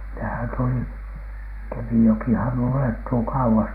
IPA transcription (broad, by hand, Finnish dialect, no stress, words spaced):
nehæn tuli kemijokihɑn uletːuː kɑuwɑs